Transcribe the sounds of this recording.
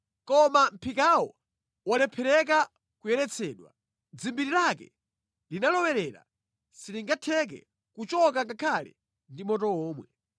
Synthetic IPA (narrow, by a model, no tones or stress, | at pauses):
kɔmam̩pʰikawɔ | walɛpʰɛɾɛk̬a | kujɛɾɛt͡sʰɛːɗwa̰ | d͡zimbiɾilakɛ̰ | linalɔwɛɾɛɾa̰ | siliŋɡatʰɛk̬ɛ̰ | kut͡ʃɔk̬akakʰalɛ̰ | ndimɔtɔɔːmwɛ